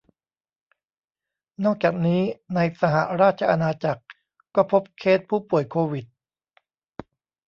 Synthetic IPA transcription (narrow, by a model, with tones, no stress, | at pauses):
nɔː˥˩k̚t͡ɕaː˨˩k̚niː˦˥na˧jsa˧ɦa˨˩ɾaː˥˩t̪̚t͡ɕʰa˧ʔa˧naː˧t͡ɕa˨˩k̚ː | ɔː˥˩pʰo˦˥p̚kʰeː˥˩t̪̚pʰuː˥˩pu˨˩əjkʰoː˧wi˨˩t̪̚